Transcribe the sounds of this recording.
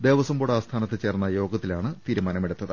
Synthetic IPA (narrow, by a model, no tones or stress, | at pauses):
d̪e̞ːʋɐsɐmboːɽaːst̪ʰaːnɐt̪ːɨt͡ɕeːrnːɐjo̞ːɡɐt̪ːilaːɳɨt̪iːɾumaːnɐmeɽut̪ːɐðɨ